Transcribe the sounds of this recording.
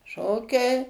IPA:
ˈʃoːkʲɛɪ

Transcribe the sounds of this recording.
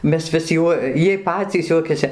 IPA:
ˈmʲɛs ʋʲɪs ˈjuɔ ˈjiɛj ˈpɑːt͡sʲiːs ˈjuɔkʲɛsʲɪ

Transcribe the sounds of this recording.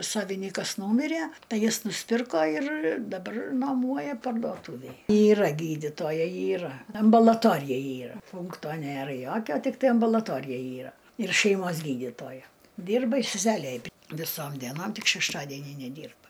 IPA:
ˈsɑːʋʲɪnʲiːkɐs ˈnuːmʲɪrʲæ ˈtɐɪ ˈjɪs nʊsʲˈpʲɪrkoː ɪr dɐˈbɐr nuɔˈmuɔjɛ pɐrduɔˈtʊʋʲeːj iːˈrɐ ˈɡʲiːdʲiːtoːjɛɪ iːˈrɐ ɐmbɐlˠɐˈtoːrʲɪjɛ ˈiːrɐ ˈpʊŋktoː ˈnʲeːrɐ ˈjoːkʲoː tʲɪkˈtɐɪ ɐmbʊlˠɐˈtoːrʲɪjɛ ˈiːrɐ ɪr ʃʲɛɪˈmoːs ˈɡʲiːdʲiːtoːjɛ ˈdʲiːrbɐ ɪ sʲɛˈsʲæːlʲeː ɐˈbʲɪ ʋʲɪˈsoːm dʲiɛˈnoːm ˈtʲɪk ʃʲɛʃˈtɑːdʲiɛnʲiː nʲɛˈdʲiːrbɐ

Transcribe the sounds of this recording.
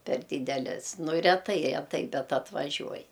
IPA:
pʲɛr ˈdʲiːdʲɛlʲɛs ˈnʊ rʲɛˈtɐɪ rʲɛˈtɐɪ ˈbʲɛt ɐtʋɐˈʒʲuɔj

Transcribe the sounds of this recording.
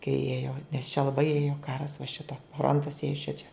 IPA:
kɐɪ ˈeːjoː nʲɛs t͡ʃʲɛ lˠɐˈbɐɪ ˈeːjoː ˈkɑːrɐs ʋɐ ˈʃʲɪtoː ˈfroːntɐs ˈeːjoː ˈʃʲɪt͡ʃʲɛ

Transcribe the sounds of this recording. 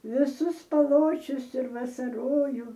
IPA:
ʋʲɪˈsʊs pɐˈlˠoːt͡ʃʲʊs ɪr ʋɐsɐrˈoːjuː

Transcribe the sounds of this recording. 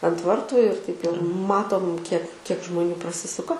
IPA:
ɐnt ˈʋɐrtʊ ɪr tɐɪp jɛʊ ˈmɑːtoːm kʲiɛk kʲiɛk ʒmoːˈnʲuː prɐˈsʲɪsʊkɐ

